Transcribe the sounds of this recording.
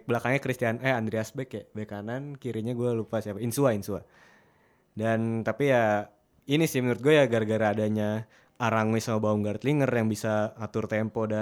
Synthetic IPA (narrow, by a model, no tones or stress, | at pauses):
bəlakaŋɲakɾist̪ianɛand̪ɾiasbɛkabekanankiɾiɲaɡualupasiapainsuainsua | dant̪apija | inisɪhmənuɾʊt̪̚ɡuajaɡarɡaɾaːdaɲa | aɾaŋuisamabauŋɡaɾt̪liŋərjaŋbisaːt̪ʊrt̪ɛmpoda